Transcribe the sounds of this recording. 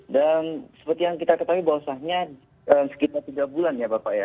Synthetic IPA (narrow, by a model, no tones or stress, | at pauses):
dansə̥pərt̪ijaŋkit̪akət̪aɦuibawasahɲa | əːmsə̥kit̪art̪iɡabulanjabapaʔja